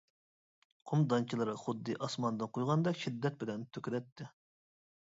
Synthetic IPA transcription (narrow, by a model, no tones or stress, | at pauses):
qʰʊmd̪ɑnt͡ʃʰilˠɨɾɨχʊd̪ːɨʔɑsmɑnd̪ɨnqʰojʁɑnd̪ɑkʲʃid̪ːɛt̪̚bɪlɛnt̪ʰøkʲid̪ɛt̪ʰːɪ